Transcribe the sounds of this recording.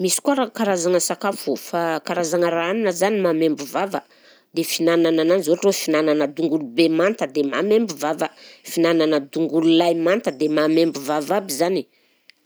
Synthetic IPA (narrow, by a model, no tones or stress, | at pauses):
misi̥kuaɾakaɾazaŋəsakafufakaɾazaŋəɾaaninəzanimamembuvavə | d̪efinananananizorofinananəd̪uŋɡulubemant̪əd̪emamembuvavəfinananəd̪uŋɡululajmant̪əd̪emamembuvavabizani